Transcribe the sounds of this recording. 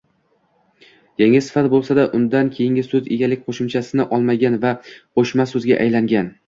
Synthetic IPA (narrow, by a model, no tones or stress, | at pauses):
jaŋʲasɪ̥fat̪bolˠsad̪aʔʊnd̪ankʲʰejɪŋɡʲɪsɵzeɡʲalɪk̚ʲqʰoʃɪmt͡ʃʰasɪnɪʔɒlˠmaɡʲanvaqʰoʃmasɵzɡʲaʔa̰jlaŋɡʲan